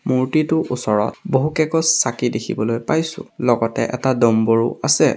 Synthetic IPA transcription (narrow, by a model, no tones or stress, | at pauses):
muɹtitʊʔusɔɹɔt̚boɦukɛkɔsakidekʰḭbɔlojpajsʊ̰̃lɔɡɔtɛ̰ʔɛtadɔmboɹṵasɛ